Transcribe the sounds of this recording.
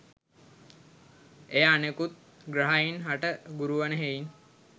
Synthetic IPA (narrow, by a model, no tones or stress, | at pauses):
ejaanekut̪̚ | ɡɾaɦainɦaʈəɡuɾuʋənəɦein